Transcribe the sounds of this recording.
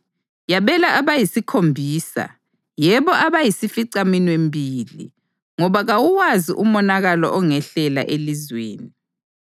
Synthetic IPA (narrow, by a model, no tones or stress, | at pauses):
jaβɛlaʔaβajisikʰombʱiːsa̰ | jɛβɔʔaβajisifiǀaminwembʱilḭ | ŋɔβaɣawuwaziʔumɔnaɣalɔ̰ʔɔŋɛɬɛla̰ʔelizweːni